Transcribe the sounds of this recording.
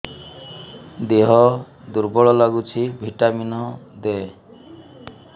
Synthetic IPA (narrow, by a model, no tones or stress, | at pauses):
d̪eɦɔ | d̪uɾbɔɭɔlaɡut͡ʃʰibʱiʈaminɔd̪ɛ